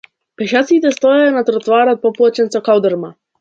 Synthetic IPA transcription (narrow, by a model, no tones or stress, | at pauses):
pɛʃat̪sit̪ɛst̪ɔjanat̪ɾɔt̪vaɾat̪̚pɔplˠat͡ʃɛnsɔkawd̪ɛɾma